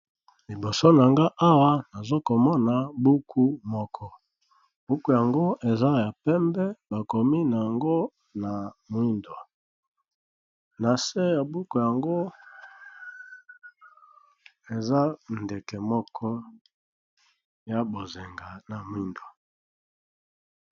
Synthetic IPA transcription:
li˨bo˨so˦na˨ŋɡa˦ʔa˦wa˦na˨zo˦ko˨mɔ˦na˨bu˦kʰu˦mɔ˦kʰɔ˦ | b̥u˦ku˦ja˨ŋɡo˦ʔe˨za˦ja˨pɛ˦mbɛ˦ba˨ko˨mi˦na˨a˨ŋɡo˦ | na˨mwi˦ndo˨ | na˨se˦ja˨bu˦ku˨ja˨ŋɡo˦ | e˨za˦nde˨kɛ˨mɔ˦kʰɔ˦ | ja˦bo˨ze˨ŋɡa˨na˨mwi˦ndo˨

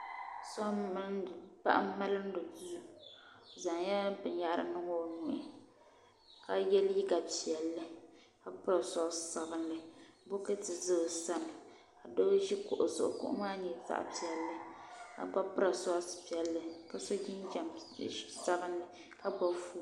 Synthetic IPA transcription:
sɔ˦˨ | pa̰˦ʔa˦ma˦lɨ˦n̩˦dɨ˨zu˦u˨ | za˨ŋjɛ˦bɨ˨nja˦˨ʔɾɨ̰˦nɨ˦ŋo˦˨nu˨ʔɪ˦ | ka˨jɛ˦lji˦ɡa˨pi˨ɛ˨lːɨ˦ | ka˦pɨ˦ɾa˨sɔ˦sa˨bɨ˦nlɨ˨bo˦kɨ˦tɨ˨zɨ˦˨sa˦mɨ˨ | a˨do˦ʒi˦kʊ̰˨ʔʊ̰˨sʊ̰˨ʔʊ̰˨kʊ̰˦ʔʊ̰˦maː˦ɲɛ˨za̰˦ʔa̰˨pi˨ɛ˨lːɨ˦ka̰˨ba˦pɨ˦ɾa˨sɔ˦spi˨ɛ˨lːɨ˨ka˨so˦d͡ʒi˦nd͡ʒa˨m | sa˦bɨ˦nlɨ˨ | ka˦ba˦fu˦˨

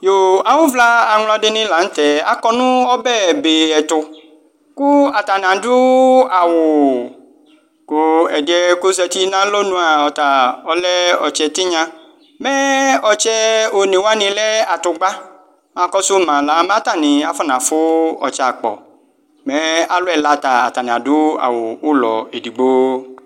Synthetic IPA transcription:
jo˨a˨wʊ˦vla˦a˨ŋlɔ˦dɪ˦nĩ˦la˨n̩˦t̪ɛ˨a̰˨kɔ˦nũ˦ɔ˦bɛ˦˨be˨ɛ˨t̪ʊ˨ | ku˦a˨t̪a˨nã˨dʊ˦a˨wʊ˨ | kʊ˦ɛ˨dɛ˦kʊ˦zɛ˧t̪i˦nã˦lo˦nũ˦a˨ɔ˨t̪a˨ɔ˦lɛ˦ɔ̰˨t͡ʃɛ˨t̪ɪ˦ɲã˨ | mɛ˦ɔ˨t͡ʃɛ˦o˨nĩ˨wa˦nĩ˨lɛ˦a˨tʊ˨ɡ͡ba˦ | mã˦kɔ˦sʊ˦mã˨la˨˦m˦a˦ta˦˨nĩ˨a˦fɔ˦nã˨fʊ˦ɔ̰˨t͡ʃa˨k͡pɔ̰˨ | mɛ˦a˦lʊ˦ɛ˨la˨˦ta˨a̰˨ta˨n˨ã˨dʊ˦a̰˨wʊ˨ʊ˦lɔ̰˨e˨di˨ɡ͡bo˦

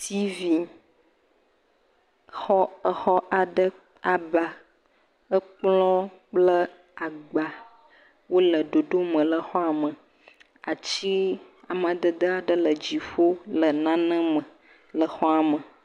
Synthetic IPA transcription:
t̪i˦vi˨ | xɔ˦ə˨xɔ˦ʔa˨ɖə˦ | a˨ba˨ | ə˦k͡plɔ̃˦k͡plə˦ | a˨ɡ͡ba˨ | wo˦lə˨ɖo˨ɖo˦mə̃˨lə˨xɔ˦a˨mə̃˨ | a˨t͡ɕi˦ | a˨m˨a˨d̪ə˨d̪ə˦a˨ɖə˦lə˨d͡ʑi˨ɸo˦lə˨nã˦nə̃˦mə̃˨ | lə˨xɔ˦a˨mə˨

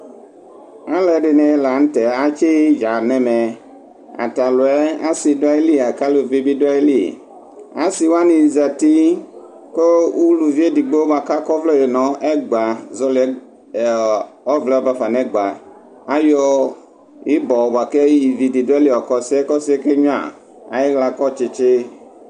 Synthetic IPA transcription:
a˦lɛ˨ɖe˨nẽ˨˦la˨ŋ̩̃˦t̪ɛ˨a˦t͡ʃe˦d͡ʒa˨nɛ̃˦mɛ˨ | a̰˨t̪a˨lo˨ɛ˦a˦si˨dɔ˦e˦li˦a˨ka˦lo˨vi˦bi˦de˦lḭ˦˨ | a˦si˨wa˦nĩ˨za˨t̪i˦ | ko˦u˦lu˨vi˦e˦di˨ɡ͡bo˦ba˨ka˦kɔ˦vlɔ˦je˨nɔ̃˨e˦ɡ͡ba˨zɔ˦lɛ˦˨ | ɔ˦vlɛ˦ɔ˦ba˦fa˨nɛ̃˦ɡ͡ba˨ | a˦jɔ˦ | i˦bɔ˨ba˨ke˦ji˨vi˨di˨do˦e˦li˦ɔ˨kɔ˦si˦ɛ˦kɔ˦si˦e˦ke˦ɲũ˦a̰˨ | a̰˨je˦ɣla˨kɔ˦t͡ʃe˨t͡ʃe˦

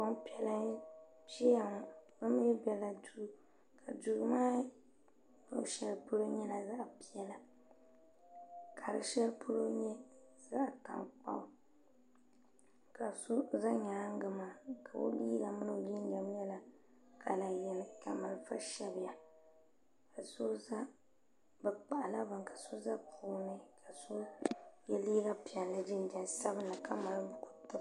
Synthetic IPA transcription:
ko˦m˦pi˦ɛ˦la˦ | pɛ˦a˨ŋɔ˨bɨ˦m˦jɛ˦bɛ˨la˨du˦ | kʰa˨du˨ɡmaː˦ | m˦˨ʃɛ˦lpʊ˦ɾo˦ɲɛ˦la˨za˦˨pi˦jɛ˦la˨ | kʰa˨ɾɨ̰˨ʃɛ˦lpʰʊ˦ɾo˦ɲɛ˦ | za˦ʔta̰˨ŋk͡pa̰˦˨ʊ˦ | ka˨su˦za˦ɲaː˨˦ŋ˦ɡɨ˦ma˨kʰa˨o̰˦liː˦ɡa˦˨mɨ˦nɨ˦˨li˦n˦dɛ˨mɲɛ˦la˨ | kʰa˨la˨jɛ˨nɨ˨ka˨ma˨lfa˦ʃɛ˦bɪ˨ja˨ | ka˨so˦za˦ | bɨ˨k͡pa˨ʔla˦ba˨ŋka˨so˦za˦kʊ˨˦nɨ˦kʰa˨so˦jɛ˦li˦ɡa˦pi˨ɛ˨nlɨ˦di˦n˦dɛ˨nsa˦bɨ˦n˦la˨ka˦ma˨lbʊ˦ku˨˦tɨ˦

